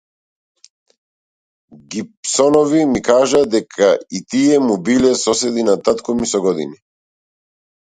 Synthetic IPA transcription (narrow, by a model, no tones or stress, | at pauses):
ɡipsɔnɔvimikaʒad̪ɛkʰait̪iɛmubilɛsɔsɛd̪inat̪at̪kɔmisɔɡɔd̪ḭni